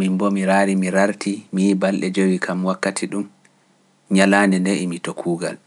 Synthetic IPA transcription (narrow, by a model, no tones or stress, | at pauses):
mimbɔmiɾaːɾimiɾaɾtimibalɗɛd͡ʒowikʰamwakːatʰiɗum | ɲalaːndɛndeʔimitokʰuːɡa̰l